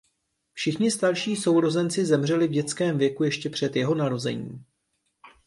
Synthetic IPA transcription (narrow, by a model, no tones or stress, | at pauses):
fʃɪxɲɪst̪aɾʃiːso̞wɾo̞zɛnt͡sɪzɛmr̝ɛlɪvɟɛt͡skɛːmvjɛkujɛʃcɛpr̥ɛt̪jɛɦo̞naɾo̞zɛ̰ɲḭːm